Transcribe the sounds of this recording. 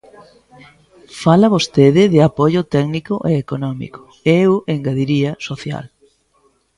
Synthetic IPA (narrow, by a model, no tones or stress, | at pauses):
falɐβost̪eðɪðɪapoʎʊt̪ɛɡnikʊʔeːkonɔmḭko̥ | eeweŋɡaðiɾiɐsoθja̰l